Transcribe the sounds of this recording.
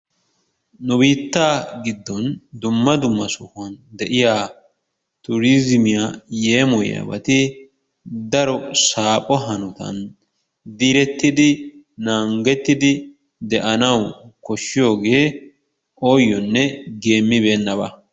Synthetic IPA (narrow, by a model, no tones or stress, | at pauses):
nʊbiːt̪ːaːɡɪd̪ːɔnd̪ʊmːɐd̪ʊmːɐsʊhɔnd̪ɛʔɪjaː | t̪ʊɾizɪmɪjaje̞ːmɔja̰bɐ̰t̪ɪ | d̪ɐɾɔsaːpʼɔɦɐnʊt̪ɐ̰n | d̪iːɾɛt̪ːɪd̪ɪ | naːŋɡɛt̪ːɪd̪ɪ | d̪ɛʔɐnɐwkɔʃːɪjo̞ːɡe̞ː | ʔoːjːɔnːɛɡe̞ːmːɪbe̞ːnːɐbɐ̰